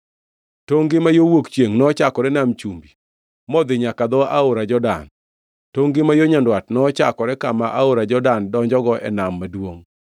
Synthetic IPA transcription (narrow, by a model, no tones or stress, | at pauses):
toŋɡɪmajowokt͡ʃjeŋnɔt͡ʃakɔɾɛnamt͡ʃumbi | mɔd̪ɪɲakad̪ɔʔaʊɾad͡ʒɔda̰n | toŋɡɪmajoɲandwatnɔt͡ʃakɔɾɛkamaʔaoɾad͡ʒɔdandɔɲd͡ʒɔɡɔʔɛ̰namːadwoŋ